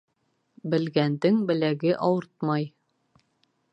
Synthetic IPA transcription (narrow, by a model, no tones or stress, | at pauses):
bɘ̆lɡænd̪ɘŋbɘ̆læɡɘʔɑwɤɾt̪̚mɑj